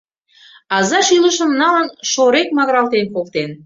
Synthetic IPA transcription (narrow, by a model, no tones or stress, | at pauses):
ɑzɑʃyləʃə̆mnɑlənʃoɾek̚mɑɣɾɑlt̪enkolt̪en